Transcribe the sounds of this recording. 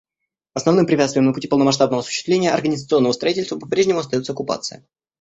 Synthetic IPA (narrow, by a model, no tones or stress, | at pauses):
ɐsnɐvnɨmpɾʲɪpʲat̪st̪vʲɪjəmnəpʊtʲipəlˠnəmɐʂ̬t̪ab̚nəvəɐsʊ̥ɕːɪ̥st̪vlʲenʲɪjəʔɐ̰rɡənʲɪzət̪sɨo̞nːəvəst̪ɾɐitʲɪlʲst̪vəpɐpɾʲeʐnʲɪmʊɐst̪ɐjotsəɐkʊpa̰t̪sɨ̰ə̰